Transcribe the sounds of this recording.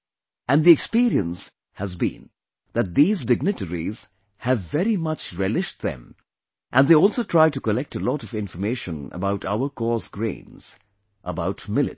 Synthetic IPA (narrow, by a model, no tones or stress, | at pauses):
æ̃nd̪iɛkspiɾiə̃ns | həzbḭ̃n | ðɨt̚d̪iːzdɪɡ̚nɨtəɾiz̥ | hɨvːɛɾimʌt͡ʃɹɛlɪʃ̚ðɛ̰̃m | ʔæ̃nd̪eɪɔlˠsoʊtʰɹ̥aɪtukəlɛk̚təlɔɾʌvɪ̃ɱfəmeɪʃə̃nə̰baʊtʰaʊə˞kɔsɡɹḛ̃ɪ̃nz̥ | ʔəbaʊtmɪlɨ̰t̚